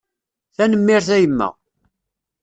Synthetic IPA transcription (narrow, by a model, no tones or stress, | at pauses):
θænəmːɪɾθæjəmːə̰ʁ